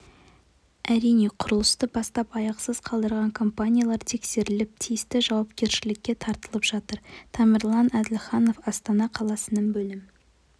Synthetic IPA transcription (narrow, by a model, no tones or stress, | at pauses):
æɾijne̞qʰʊɾəlˠəst̪əbɑst̪ɑpɑjɑqsəz̥qʰɑlˠd̪əɾʁɑŋkʰo̞mpanʲijalˠɑɾt̪ʰe̞kse̞ɾɪlɪp̚t̪ʰijɪst̪ɪʒɑwɑp̚kʲe̞ɾʃɪlɪkʲːe̞t̪ʰɑɾt̪əlˠəpʒ̥ɑt̪əɾt̪ʰɑməɾlˠɑnæd̪ɪlχɑno̞fɑst̪ɑnɑqʰɑlˠɑsənəɴbɵlɪmɪ